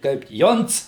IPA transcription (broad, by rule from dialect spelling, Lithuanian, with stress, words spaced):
ˈkɐɪp ˈjoːnt͡s